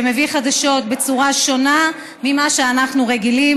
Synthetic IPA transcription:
eme̞viχad̪aʃo̞t̪be̞t͡suʁaʃo̞na | mimaʃeanaχnuʁeɡili

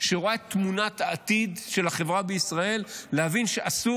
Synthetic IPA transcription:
ʃeʁoaet̪munat̪aːt̪id̪ʃe̞lhaχe̞vʁabeisʁae̞lːehavinʃeʔasu

